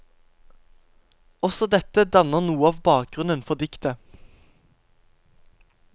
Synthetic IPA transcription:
ɔsɔd̪ɛt̪əd̪ɑnəʁnuːəɑːʋbɑːk̚ɡ̥ʁʉnənfɔd̪ɪkt̪ə

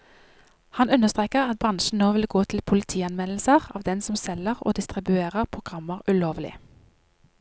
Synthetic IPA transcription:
hɑnʉnəʁst̪ʁeːkəʁɑt̪̚bʁɑnʃn̩noːʋɪlɡoːt̪ʰl̩pʰʊlɪt̪ʰiːɑnʋɛnl̩səʁɑ̰ːʋd̪ɛnsɔmsɛləʁo̰ːd̪ɪst̪ʁɪbʉeːʁəʁpʰʁʊɡ̥ʁɑmːəʁʉloːʋlɪ̰

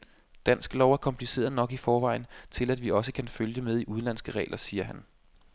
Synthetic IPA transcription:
d̥æn̰sɡ̥lɒʊæɐkʰɒ̽mpʰlise̝̰ːɐðˠnɒ̽ɡ̥ifɒːʋɑ̈ɪ̰n̩t͡sʰe̝læd̥ʋiɒ̽səkʰænføljəmeð̞ˠiʔuð̞ˠnlæn̰sɡ̥əʁɛ̰ːlʔɐsiːɐɦæn

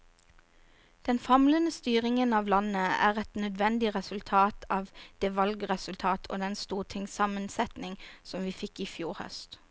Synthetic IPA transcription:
d̪̥ɛnfɑmlənəst̪yːʁɪŋənɑːʋlɑnəæ̰ːʁɛt̪nœd̪ʋɛnd̪ɪʁɛsʉlt̪ʰɑːt̪ʰɑːʋd̪̥eːʋɑlɡəʁɛsʉlt̪ʰɑːt̪ʰo̰ːd̪ɛnst̪uːt̪ʰɪŋsɑmənsɛt̪nɪŋsɔmʋiːfɪkiːfjuːʁhœ̰st̪

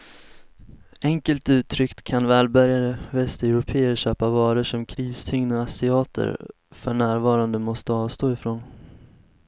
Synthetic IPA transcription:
ɛŋkəlt̪ʉ̟ːt̪ʰːɾʏkt̪kʰanvɛːlbœɾjaɾəvɛst̪ɛʉɾʊpʰeːəɾɕøːpavɑːɾəʂɔmkʰɾiːst̪ʰʏŋnaasɪɑːt̪ʰə̰ɾ | fœɳæːɾvɑːɾand̪əmɔst̪əɑːvst̪oːɪfɾoːn

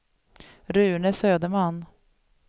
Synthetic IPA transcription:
ɾʉ̟ːnəsøːd̪əmanː

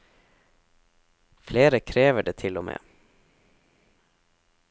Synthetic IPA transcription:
fleːɾəkʰɾeːʋəɖeːt̪ʰɪlɔmʔḛː

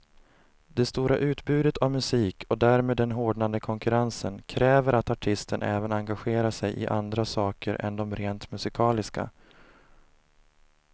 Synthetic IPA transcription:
d̪ɛst̪uːɾaʔʉ̟ːt̪bʉ̟ːd̪ət̪ʰavmɵsiːkʰɔd̪æːɾmeːd̪ːɛnɦoːɖɳand̪əkʰɔŋkɵɾansənkʰɾɛːvəɾʔat̪aʈʰɪst̪ənʔɛːvənaŋɡaɧeːɾasɛjʔɪ̰ʔand̪ɾasɑːkəɾʔɛ̰nd̪ɔmɾeːnt̪mɵsɪkʰɑːlɪska̰

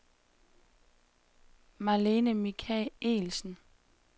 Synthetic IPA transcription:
mɑleːnəmikʰɛle̝̰ːlsn̩

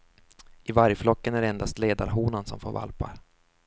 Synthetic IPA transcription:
ʔɪvaɾjflɔkːənæɖɛɛnd̪ast̪leːd̪a̰ɾɦuːnansɔ̰mfoːva̰lpa̰ɾ

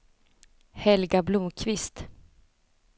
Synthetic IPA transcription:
hɛlɡablumkʰvɪst̪

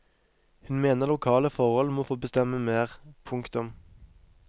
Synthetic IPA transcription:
hʉnmeːnəʁlʊkʰɑːləfɔʁhɔlmoːfoːbəst̪ɛməmeːʁpʰʊŋkt̪ʊm

